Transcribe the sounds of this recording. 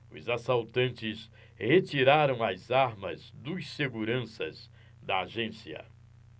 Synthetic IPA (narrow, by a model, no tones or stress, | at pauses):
ʊzasawt̪ɐ̃nt͡ʃɪs | het͡ʃiɾaɾɐ̃w̃ɐzaɾmɐzd̪ʊseɡuɾɐ̃sɐz | d̪ɐaʒẽsiɐ̰